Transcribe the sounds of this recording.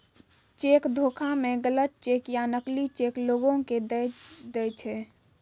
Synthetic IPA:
t͡ʃekd̪ʱokʰameɡələt̪̚t͡ʃekjanəklit͡ʃekloɡõked̪d̪ɛt͡ʃʰɛ

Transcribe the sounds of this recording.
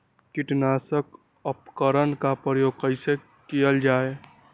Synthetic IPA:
kiʈnaːsək | əpkəɾənkapɾəjoɡ̚kəɪse | kijəld͡ʒaːe

